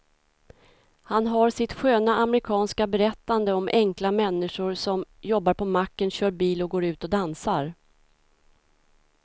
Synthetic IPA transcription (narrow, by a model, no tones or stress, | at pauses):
hanɦaɾʂɪt̪ɧøːnaʔamɾɪkʰɑːnskabɛɾɛt̪ːand̪əɔmʔɛŋklamɛnːɪʂʊɾsɔmjɔbːaɾpʰɔmakːənɕœːɾbiːlɔɡoːɾʉ̟ːt̪ɔd̪ansaɾ